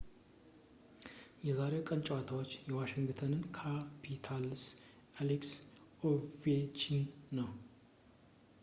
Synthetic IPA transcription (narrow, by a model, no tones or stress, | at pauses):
jɛzaɾewkʼənt͡ʃʼwat̪ʰawot͡ʃːjɛwaʃɪŋɡt̪ʰənɨnkʰapʰit̪ʰals | ʔeleksovet͡ʃinːəw